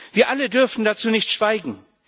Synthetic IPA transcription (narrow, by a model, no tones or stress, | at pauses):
v̥iːɐʔalədʏɐfn̩dat͡suːnɪçtʃv̥aɪɡŋ̩